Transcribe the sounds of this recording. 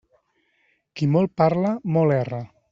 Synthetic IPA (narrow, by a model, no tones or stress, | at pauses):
kimɔlˠpaɾlamɔlɛra